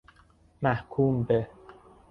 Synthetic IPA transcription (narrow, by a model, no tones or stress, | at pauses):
mæhkʰuːmbe